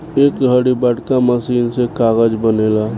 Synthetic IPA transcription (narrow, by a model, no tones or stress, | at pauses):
eːkɡʱəɽibəɽkaməsiːnsekaːɣəd͡ʒbəneːlaː